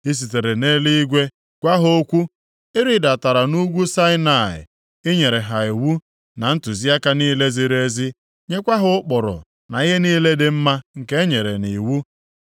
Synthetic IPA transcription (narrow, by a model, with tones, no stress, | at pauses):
i˦s̬i˨te˨ɾe˨ne˦li˦i˦ɡʷe˦ | ɡ̥ʷa˦ɦʊ˦o˦kʷu˦ | ɪ˦ɾi˨da˨ta˨ɾa˨nu˦ɡʷu˦sa˦ɪ˦na˨ɪ̰˨ | ɪ˦ɲe˨ɾe˨ɦa˨i˨wu˦ | na˨n̩˦tʊ˨zi˦a˦ka˦niː˦le˦zi˨ɾe˦zi˦ | ɲe˦kʷa˦ɦʊ˦ʊ˦k͡pɔ˨ɾɔ̰˨ | na˨i˦ɦe˦niː˦le˦de˦m̩˦ma˦ŋ̩˨ke˦e˦ɲe˨ɾe˨ni˨wu˦